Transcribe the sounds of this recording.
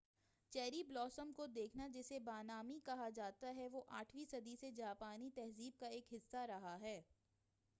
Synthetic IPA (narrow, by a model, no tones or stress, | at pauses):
t͡ʃɛːɾiblɔːsəmkod̪eːkʰnad͡ʒɛsebaːnaːmikɐɦad͡ʒaːt̪aɦɛʋoʔaːʈʰʋisɐd̪ised͡ʒaːpaːnit̪ɛɦziːb̚kaeːkɦɪsːaɾɐɦaɦɛː